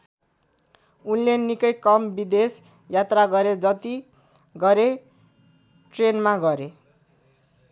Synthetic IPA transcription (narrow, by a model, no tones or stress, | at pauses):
unlenikʌjkʌmbid̪es | jat̪raɡʌɾed͡zʌt̪i | ɡʌɾe | ʈrenmaɡʌɾe